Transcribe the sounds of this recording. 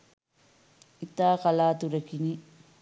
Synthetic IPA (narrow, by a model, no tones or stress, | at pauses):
it̪aːkɐlaːt̪uɾɐkini